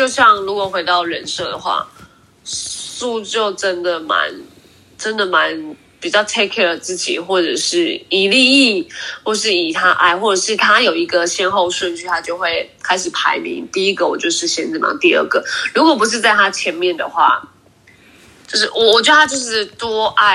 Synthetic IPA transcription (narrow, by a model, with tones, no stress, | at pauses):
t͡ɕjo˥˧ʊɕjɑ˥˩ŋɻu˧˥kwɔ˨˩xwe˧˥ɪt̪ɑ˥˩ʊɻə˧˥nʂɤ˥˩d̪ə̰˩xwa̰˥˩ | su˥˧t͡ɕjo˥˩ʊʈ͡ʂə˦˥nd̪ə˨ma̰˧˦n | ʈ͡ʂə˦˥nd̪ə˨ma˧˦n | pi˨˩t͡ɕjɑ˥˩ʊt̪ʰe˥kʰɛ˥˩ə˨˩t͡sɹ̩˥˩t͡ɕḭ˨˩xwɔ˥˩ʈ͡ʂə̰˨˩ʂɻ̩˥˩i˨˩li˥˧i˥˩xwɔ˥˩˨ʂ̬ɻ̩˥˩i˨˩t̪ʰa˦˥ʔa̰˥˩ɪxwɔ˥˩ʈ͡ʂə˨˩ʂɻ̩˥˩t̪ʰa˥jo˨˩ʊi˧˥ɡə˨ɕjɛ˥˧nxo˥˧ʊʂwə˥˧nt͡ɕʰy˥˩t̪ʰa˥t͡ɕjo˥˧ʊxwe˥˩ɪkʰa˥ɪʂɻ̩˨˩pʰa˧˥ɪmḭ˧˥ŋt̪i˥˩i˦˥ɡə˨wɔ˨˩t͡ɕjo˥˧ʊʂɻ̩˥˩ɕjɛ˥nt͡s̩˥˩mɑ̰˧˥ŋt̪i˥˧ə̰˥˩ɡə˩˦ɻu˧˥kwɔ˨˩p̬u˧˥ʂ̬ɻ̩˥˧t͡sa˥ɪt̪ʰa˥t͡ɕʰjɛ˧˥nmjɛ˥˩nd̪ə̰˩xwa̰˥˩ | t͡ɕo˥˧ʊʂɻ̩˥˩wɔ˨˩wɔ˨˩t͡ɕɥə˧˩a˥t͡ɕjo˥˧ʊʂɻ̩˥˩t̪wɔ˥a˥˩